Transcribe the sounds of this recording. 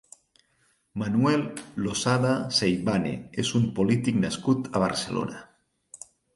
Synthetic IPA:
manuɛlːosaðasejβanḛezumpolit̪iknaskut̪aβ̞a̰ɾselo̰na

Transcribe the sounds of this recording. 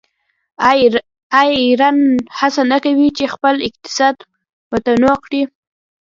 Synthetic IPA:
ajɾɑnhasanakawit͡ʃexpəlɪq̚t̪ɪ̥sɑd̪ | mət̪anokɽi

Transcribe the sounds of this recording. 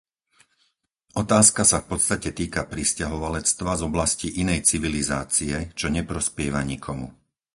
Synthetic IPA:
ʔɔt̪aːskasafpɔt̪t͡st̪acɛt̪iːkapɾiscaɦɔʋalɛt͡st̪ʋazɔblasciʔinɛjt͡siʋiliza̰ːt͡siɛt͡ʃɔɲɛpɾɔspɪɛʋaɲikʰɔmṵ

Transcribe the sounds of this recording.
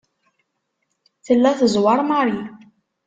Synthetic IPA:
θəlːæθəzwɑɾˤmaɾˤi

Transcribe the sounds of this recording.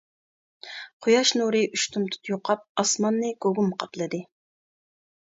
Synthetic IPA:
qʰʊjɑʃnuɾɨʔyʃt̪ʰumt̪ʰu̥t̪joqʰɑp̚ɑsmɑnːɨkoɡumqʰɑplˠɨd̪ɨ

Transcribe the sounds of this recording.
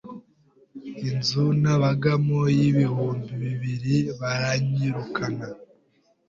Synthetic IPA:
inzunaβaɡamojiβihuːmbiβiβiɾiβaɾaɲiɾukʰana

